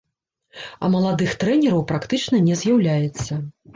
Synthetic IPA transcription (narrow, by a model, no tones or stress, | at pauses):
ɐ̰mɐlˠad̪ɨxt̪ɾɛnʲɛɾɐwpɾakt̪ɨt͡ʂnɐnʲɛzʲjawlʲajɛt̪sːɐ